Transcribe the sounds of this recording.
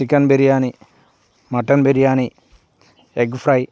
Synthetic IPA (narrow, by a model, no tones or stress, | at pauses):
ikːɐnbeɾijaːni | mɐʈːɐnbeɾijaːni | eɡfrɐj